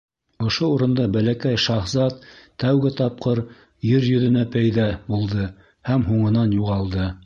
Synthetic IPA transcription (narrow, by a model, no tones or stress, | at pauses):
ŏʃouɾɤ̆nd̪ɑbælækæjʃɑχzɑt̪ːæwɡɘt̪ɑp̚qɤɾ | jɘɾjɵ̆ðɘ̆næpæjðæbulˠd̪ɤ | hæmɦuɴɤ̆nɑnjuʁɑlˠd̪ɤ